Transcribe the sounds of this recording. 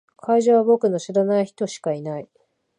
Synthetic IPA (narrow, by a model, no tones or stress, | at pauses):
kʰaiʑaβabo̞kɯ̟no̞ɕiɾanaiçi̥t̪o̞ɕi̥kainai